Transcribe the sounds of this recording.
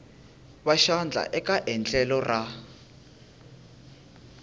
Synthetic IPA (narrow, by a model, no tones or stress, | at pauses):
βaʃand͡ɮʱa̰ʔɛkaʔɛnt͡ɬʼɛlɔrʔa